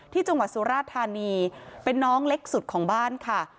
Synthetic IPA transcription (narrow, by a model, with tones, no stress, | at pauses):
t̪ʰiː˥˩t͡ɕa˧ŋwa˨˩t̪̚su˩˦ɾaː˥˩t̪ʰːaː˧niː˧pe˧nːɔː˦˥ŋle˦˥k̚su˨˩t̪̚kʰɔː˩˦ŋbaː˥˩nkʰa˥˩